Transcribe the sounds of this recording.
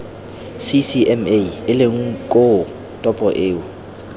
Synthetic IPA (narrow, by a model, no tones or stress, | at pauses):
sisiɛmeɪlɪŋ̩kʼo | tʼɔpʼɔʔeːʊ